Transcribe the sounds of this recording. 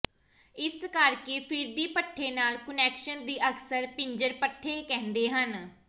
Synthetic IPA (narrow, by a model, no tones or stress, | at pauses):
ɪskəɾkeːpʰɪɾd̪iːpəʈʰːeːnaːlkʊnɛːkʃənd̪iːʔəksəɾpɪɲd͡ʒəɾpəʈʰːeːkɛ̃ːnd̪eːɦən